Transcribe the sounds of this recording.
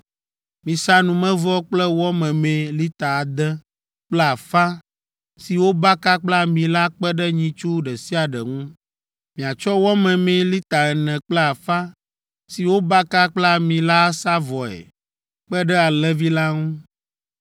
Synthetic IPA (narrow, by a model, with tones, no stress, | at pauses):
mĩ˨sa˦nũ˨mɛ̃˦vɔ˦k͡plɛ˦wɔ˦mɛ̃˨mɛ̃˨li˦t̪a˨a˨d̪ɛ˦ | k͡plɛ˦a˨fa˦ | si˨wo˦ba˦ka˦k͡pla˦mĩ˨la˦k͡pɛ˦ɖɛ˦ɲĩ˦t͡ʃu˦ɖɛ˨si˦a˨ɖɛ˨ŋũ˦ | mĩ˨a˨t͡ʃɔ˦wɔ˦mɛ̃˨mɛ̃˨li˦t̪a˨ɛ˨nɛ̃˨k͡plɛ˦a˨fa˦ | si˨wo˦ba˦ka˦k͡plɛ˦a˦mĩ˨la˦sa˦vɔ˨ɛ̰˨ | k͡pɛ˦ɖɛ˦a˨lɛ˦vi˦la˦ŋũ˦